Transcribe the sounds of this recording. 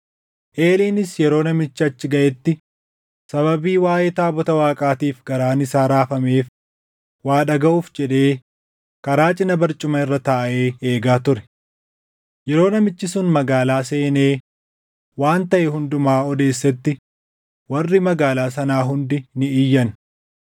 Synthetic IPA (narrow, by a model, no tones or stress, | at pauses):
ʔe̞ːliːnɪsjɛɾo̞ːnɐmɪt͡ʃːɪɐt͡ʃːɪɡɐʔɛt̪ːɪ | sɐβɐbiːwaːʔeːt̪aːbɔt̪ɐwaːkʼaːt̪iːfɡɐɾaːnɪsaːɾaːfɐme̞ːf | waːᶑɐɡɐʔuːfd͡ʒɛᶑe̞ː | kɐɾaːt͡ʃʼɪnɐbɐɾt͡ʃʼʊmɐɪrːɐt̪aːʔe̞ːe̞ːɡaːt̪ʊɾɛ̥ | jɛɾo̞ːnɐmɪt͡ʃːɪsʊnmɐɡaːlaːse̞ːneː | waːnt̪ɐʔɛɦʊnd̪ʊmaːɔd̪e̞ːsːɛt̪ːɪ | wɐrːɪmɐɡaːlaːs̬ɐnaːɦʊnd̪ɪnɪɪjːɐn